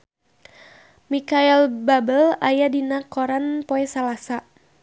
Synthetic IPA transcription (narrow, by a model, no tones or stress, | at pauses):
mikailbabəlajadinakoɾanpoɛsalasa